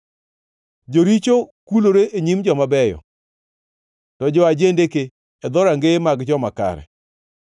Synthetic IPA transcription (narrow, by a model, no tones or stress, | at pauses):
d͡ʒoɾit͡ʃokuloɾeʔeɲimd͡ʒɔmabɛjɔ̰ | tɔd͡ʒɔad͡ʒendekeː | d̪ɔɾaŋɡemaɡd͡ʒɔmaka̰ɾɛ̰